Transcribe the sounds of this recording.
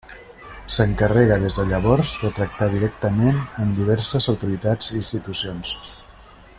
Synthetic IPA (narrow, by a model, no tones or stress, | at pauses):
səŋkərɛɣəðezðəʎəβɔɾzðət̪ɾək̚t̪aðiɾɛk̚t̪əmenəmd̪iβɛɾsəzəwt̪uɾit̪ad͡ziːnst̪it̪usions